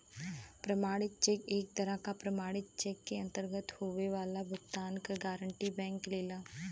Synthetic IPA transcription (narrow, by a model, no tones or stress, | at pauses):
pɾɐmaːɽɪt̪̚t͡ʃeːkeːk̚t̪əɾãkapɾɐmaːɽɪt̪̚t͡ʃeːkːeɐ̃nt̪əɾɡət̪hoːʋeʋaːlabʱʊkt̪aːnkɡaːɾəɳʈibɛ̃ːŋkleːlaː